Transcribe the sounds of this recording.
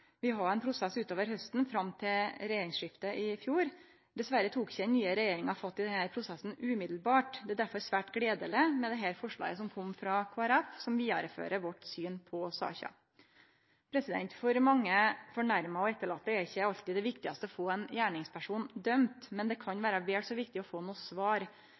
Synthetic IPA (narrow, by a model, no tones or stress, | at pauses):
ʋɪɦɑɛɪnpʰɾʊsɛsʉːt̪oːʋəɾɦœst̪n̩fɾɑmt̪ʰɪlɾɛjeːɾɪŋsʂɪft̪əʔɪfjuːɾ | d̪ɛsʋæɾət̪ʰuːkɪ̥çədɛnnːyːəɾɛjeːɾɪŋɑfɑt̪ːɪd̪ɛnhæːɾpʰɾʊsɛsn̩ʉːmɪd̪l̩bɑːʈd̪ɛæd̪æɾfɔɾsʋæːʈɡɽeːd̪ələmɛd̪ɛɦæːɾfɔʂɭɑ̰ːɡəsɔmkʰɔmːfɾɑːkʰoːɛɾɛfsɔmʋiːɑɾəfø̰ːɾəʋɔʈsyːnpʰɔsɑ̰ːçɑ̰ | pʰɾɛsɪd̪ɛ̰nt̪fɔɾmɑŋːəfɔɳæɾmɑɔɛt̪ːəɭɑːt̪ːəɛɾɪçːəɑlt̪ɪd̪ɛʋɪkt̪ɪɡɑst̪əɔfoːɛnjæːɳɪŋspʰæʂuːnd̪œmt̪mɛnd̪ɛkʰɑnʋæːɾɑʋeːlsɔʋɪkt̪ɪɔfoːnuːsʋɑːɾ